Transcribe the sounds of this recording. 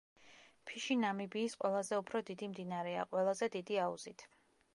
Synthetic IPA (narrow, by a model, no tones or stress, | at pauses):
pʰiʃinamibiːsqʼwɛlˠazɛupʰɾɔd̪id̪imd̪inaɾɛa̰qʼwɛlˠazɛd̪id̪iaṵz̥it̪ʰ